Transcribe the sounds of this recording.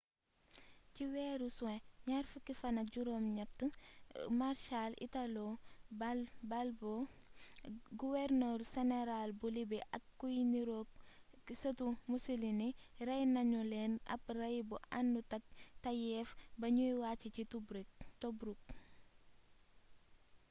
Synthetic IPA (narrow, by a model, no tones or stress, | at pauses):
ciwɛːɾuswɛ̃ɲaɾfukifɐnɐk̚ɟuɾoːmɲɐp̚tumaɾʃalḭtalobbalbo | ɡuwɛrnəɾsɛnɛɾalbulibɛʔɐkːujniɾo | sɐtumusuliniɾɐjnɐɲuleːnɐ̰p̚rɐjbuʔanːutɐk̚tɐjɛfbɐɲujwaːcicitubɾiktobɾuk̚